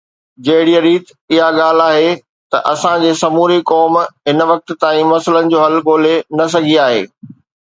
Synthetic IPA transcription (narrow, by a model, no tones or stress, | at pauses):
d͡ʑɐɦɪɽiəɾiːt̪ | ɪɦaɠaːl̤aːɦe | t̪ɐ̰ʔɐsãd͡ʑeːsɐmuːɾikɔːmɦɪnʋɐk̚t̪̆t̪ãːĩmɐsələnɪ̆d͡ʑoːɦɐlɡoːl̤enɐs̬ɐɡʱiaːɦḛː